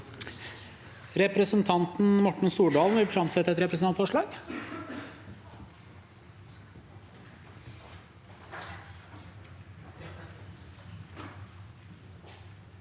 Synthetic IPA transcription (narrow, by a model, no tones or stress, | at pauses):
ɾɛpɾəsənt̪ʰɑnt̪n̩mɔʈɳ̩suːɖɑːlˠn̩ʋɪlfɾɑmsɛt̪ːəɛt̪ɾɛpɾəsnɑnfɔʂɭɑːɡ̥